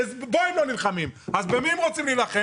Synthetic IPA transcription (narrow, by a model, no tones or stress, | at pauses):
zboɛmlonilχamimazbemimʁot͡simlilaχe